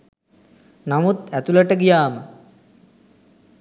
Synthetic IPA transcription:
namut̪æt̪uləʈəɡijaːmə

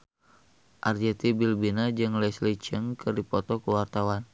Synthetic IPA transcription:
ʔard͡ʒɛt̪ibilbinad͡ʒɨŋlɛslit͡ʃəŋkɨrdipɔt̪ɔkəwart̪awan

